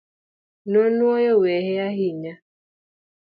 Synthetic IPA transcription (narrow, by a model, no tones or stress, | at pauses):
nonwɔjɔwɛhɛaɦiɲa